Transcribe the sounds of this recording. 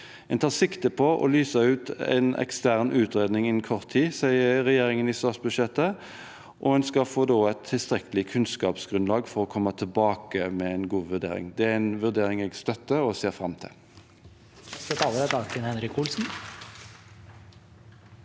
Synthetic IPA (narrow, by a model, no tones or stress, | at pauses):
ɛnt̪ʰɑːʁsɪkt̪əpʰɔʔɔ̰lyːsəʉːt̪ɛ̰nɛ̰kst̪æʁnʔʉːt̪ɾeːd̪nɪŋɪnkʰɔʁt̪ʰːiːsæɪəɾɛjeːɾɪŋəniːst̪ɑːt̪sbʉd̪ʃjɛt̪ːə | ʔɔɛnskɑfoːd̪oːɛt̪ʰːɪlst̪ɾɛkəlɪkʰʉnskɑːpsɡ̥ɾʉnlɑːɡfɔɾɔkʰɔmːət̪ʰəlbɑːkəmɛɛnɡuːʋʉʁd̪ḛːɾɪ̰ŋd̪ɛæɛɪnʋʉʁd̪eːɾɪŋɛɡst̪œt̪ːəɔseːfɾɑmt̪ʰɪ̰l | st̪ɔt̪ʰɑːləɾɛt̪ɑːkənhɛnɾɪkʰulsn̩